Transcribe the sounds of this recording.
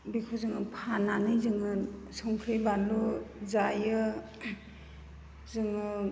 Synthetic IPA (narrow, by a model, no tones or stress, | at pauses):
bikʰuzɯŋɯpʰananɯjzɯŋɯ | sɔŋkʰɾɯjbanluzajɯ | zɯŋɯ